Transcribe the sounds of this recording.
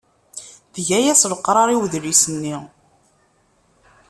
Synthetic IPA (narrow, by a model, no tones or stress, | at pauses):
ðəʝæjæsvəqːɾˤɑɾˤiwðɾisənːi